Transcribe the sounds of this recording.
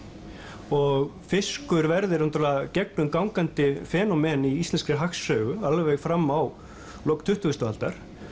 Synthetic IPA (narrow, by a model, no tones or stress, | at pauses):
ɔɣfɪskʏɾvɛɾðɪɾnt̪ʰɾlacɛk̚nʏmkawŋkant̪ɪfɛːnɔmɛniist̪lɛnskɾɪɦaxsːœːɥɣʏalvɛɣfɾamːaw | lɔwkt̪ʰʏht̪ʏʏst̪avalt̪aɾ̥